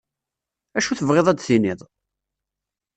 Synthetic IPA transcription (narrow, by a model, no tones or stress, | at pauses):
æʃuθəvʁeðˤæd̪θiniðˤ